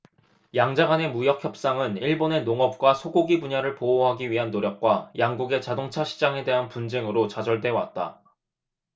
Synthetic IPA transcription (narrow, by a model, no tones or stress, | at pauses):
jaŋd͡ʑaɡane̞mujʌk̚ʰçjʌp̚s͈aŋɯniɭbone̞noŋʌp̚k͈wasʰoɡoɡibuɲaɾɯɭpooɦaɡiɥiɦanːoɾjʌk̚k͈wajaŋɡuɡe̞t͡ɕadoŋt͡ɕʰaɕʰi̥d͡ʑaŋe̞de̞ɦanpund͡ʑe̞ŋɯɾot͡ɕad͡ʑʌɭd͈we̞wat̚t͈a̰